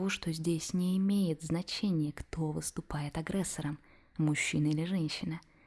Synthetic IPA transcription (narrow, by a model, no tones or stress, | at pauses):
oʂt̪o̞zʲdʲesʲnʲɪːmʲejɪt̪znɐt͡ɕenʲɪjəkt̪o̞və̰st̪ʊpajɪt̪ɐɡɾʲɛsːəɾəm | mʊɕːinəilʲɪʐɛnʲɕːɪnə